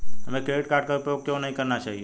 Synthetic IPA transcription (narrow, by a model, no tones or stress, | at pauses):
əmẽkeʋɪʈ̚kaɾɖ̚kaʊpjoɡ̚kːjõnəɦĩkəɾnat͡ʃaɦie